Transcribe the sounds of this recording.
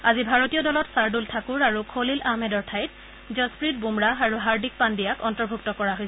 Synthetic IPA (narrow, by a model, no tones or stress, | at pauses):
azibʱaɹotijɔdɔlɔtsaɹdultʰakuɹaɹukʰolilʔaɦmɛdɔɹtʰajt | zɔspɹit̚bumɹaɦaɹuɦaɹdik̚pandijakɔntɔɹbʱuk̚tɔkɔɹaɦojs